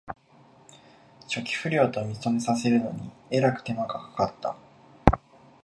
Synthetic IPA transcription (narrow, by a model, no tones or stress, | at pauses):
t͡ɕo̞kʲi̥ɸɯ̟ɾʲo̞ːt̪o̞mʲit͡so̞me̞sase̞ɾɯ̟no̞ɲ̟ie̞ɾakɯ̟̥t̪e̞maɡakḁkat̪ːa̰